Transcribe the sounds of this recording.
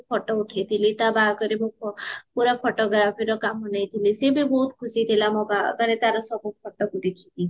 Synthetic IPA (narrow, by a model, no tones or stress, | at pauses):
pʰɔʈɔuʈʰit̪ʰilit̪abakɔɾimũpuɾapʰɔʈɔɡɾafiɾɔkamɔnəĩt̪ʰilisebibɔɦut̪kʰusid̪ʱelamɔ̃ba̰anet̪aɾɔsɔbɔpʰɔʈːɔkud̪ekʰit̪i